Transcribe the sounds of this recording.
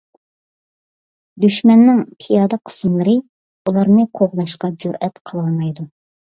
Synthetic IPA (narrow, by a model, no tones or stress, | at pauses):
d̪yʃmɛnːɪŋpʰijɑːd̪ɑqʰə̥sɨmlˠɨɾɨ | ulˠɑɾnɨqʰoʁlˠɑʃqɑd͡ʒuɾʔɛt̪qʰəlˠɑlˠmɑjd̪u